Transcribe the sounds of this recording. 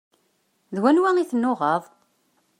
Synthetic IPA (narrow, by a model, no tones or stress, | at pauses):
ðwænwæŋiθnːoʁəðˤ